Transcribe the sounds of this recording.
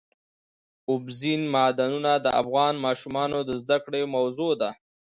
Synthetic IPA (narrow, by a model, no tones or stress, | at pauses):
ʊbzinmɑd̪anunad̪əʔa̰fɣɑnmɑʃumɑnod̪əzd̪akɽemawzod̪a